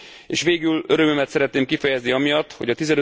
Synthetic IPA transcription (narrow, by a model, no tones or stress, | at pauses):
ḛːʃʋeːɡyløɾømømɛt̪sɛɾɛt̪neːmkifɛjɛzniɒmijɒt̪ːho̞ɟɒt̪izɛnø